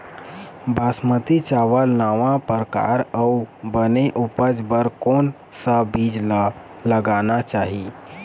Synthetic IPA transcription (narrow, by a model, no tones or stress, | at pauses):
basmət̪it͡ʃaʋəlnaʋãpəɾka̰ɾəubəneʔupəd͡ʒbəɾkon | səbid͡ʒlə | ləɡanat͡ʃaɦi